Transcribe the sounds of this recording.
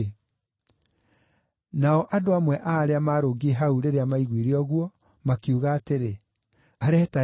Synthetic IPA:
naɔʔadoamwɛʔaːɾeamaːɾoːɡieɦauɾeɾeamaiɣwiɾiɔɣwɔ | makiuɣaːteɾe | aɾɛta

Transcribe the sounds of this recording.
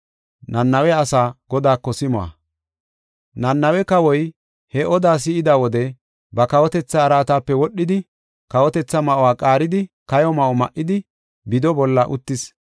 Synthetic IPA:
nɐnːɐwɛɐsaːɡ̥ɔd̪aːkːɔsɪmɔwɐ̰ | nɐnːɐwɛkɐwɔj | hɛʔɔd̪aːs̬ɪɪd̪awɔd̪ɛ | bɐkɐwɔt̪ɛt͡sːɐːɾaːt̪aːpːɛwɔɗːɪd̪ɪ | kɐwɔt̪ɛt͡sːɐmɐʔɔwaːkʼaːɾɪd̪ɪkɐjɔmɐʔɔmɐʔːɪd̪ɪ | bɪd̪ɔbɔlːɐʔʊt̪ːɪs

